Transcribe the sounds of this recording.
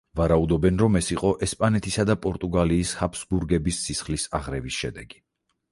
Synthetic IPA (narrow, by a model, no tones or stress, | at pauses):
vaɾaud̪ɔbɛnɾɔmɛsiqʼɔʔɛspʼanɛt̪ʰisad̪apʼɔɾt̪ʼuɡaliːshapsbuɾɡɛbisːisχlisaʁɾɛvisʃɛd̪ɛɡi̥